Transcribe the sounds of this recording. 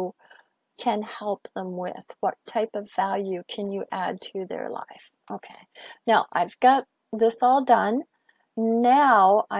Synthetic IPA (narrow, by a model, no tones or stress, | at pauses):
kʰɨ̃nhɛlˠpðə̃mwɪ̰ð̥wʌ̰tʰaɪpʌvælˠjʉkʰɨ̃njɨʔæd̚tʰɨðə̰˞la̰ɪf | ʔoʊkʰeɪnaʊʔaɪvɡɑt̪̚ | ðɪsɔlˠdʌ̃n | naʊa